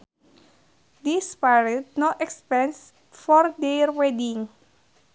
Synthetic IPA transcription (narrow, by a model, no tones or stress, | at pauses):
d̪ispaɾəd̚noʔɛkspɛ̃ns | fɔrd̪ɛrwɛdiŋ